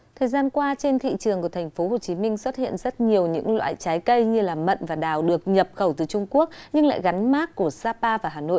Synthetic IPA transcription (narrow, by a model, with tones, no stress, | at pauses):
t̪ʰəː˨˩jzaː˧nkwaː˧t͡ɕe˧nt̪ʰḭ˧˨t͡ɕɨ˨˩əŋku˧˩ə˩t̪ʰŋ̟fo˨˦ho˨˩t͡ɕi˨˦mï˧ŋ̟swə˦˥t̚hḭ˧˨ənzə˦˥t̚ɲi˨˩əwɲɨ̰˧˥ŋlwa̰ː˧˨jt͡ɕaː˨˦jkə˧jɲɨ˧laː˨˩mə̰˧˨nvaː˨˩ɗaː˨˩wɗɨ˨˩ək̚ɲə˨˩p̚xə˧˩wt̪ɨː˨˩t͡ɕʊ˧ŋ͡mku˦˥ək̚ɲɨ˧ŋla̰ː˧˨jɣa˨˦jŋ̟maː˦˥kkːu˧˩əsaː˧paː˧vaː˨˩ɦaː˨˩no̰˧˨j